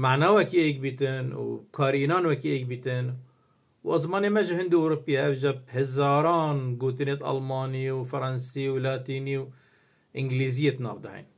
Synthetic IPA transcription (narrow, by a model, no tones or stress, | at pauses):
maʕnawakiʔeːk̚bit̪ɪnwkʰaːɾiːnaːnwakiʔek̚bit̪ɪn | wʔɑzˤmɑːnimaʒuhɪnd̪uʔʊɾʊpːɪjːaʔabd͡ʒab̚hɪzɑːɾˤɑːnɡuːt̪̬inet̪ʔɑ̰lmɑːniwfɑɾˤɑnsiwlaːt̪iːniw | ʔɪŋɡliːzɪjːet̪nɑ̰ːbd̪ahḭn